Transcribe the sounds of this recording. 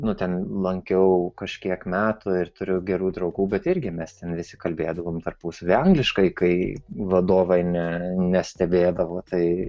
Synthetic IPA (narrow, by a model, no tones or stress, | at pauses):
nʊt̪ʲɛnlˠɐŋʲkʲɛʊkɐʃʲkʲiɛkmʲæːt̪ʊɪrt̪ʊɾʲʊɡʲɛɾuːd̪ɾɐʊɡuːbʲɛt̪ɪɾʲɡʲɪmʲɛst̪ʲɛnʋʲɪsʲɪkɐlʲbʲeːd̪ɐʋoːmt̪ɐrpuːsɐʋʲɐŋɡlʲɪʃkɐɪkɐɪʋɐd̪oːʋɐɪnʲɛnʲɛsʲt̪ʲɛbʲeːd̪ɐʋoːt̪ʰɐɪ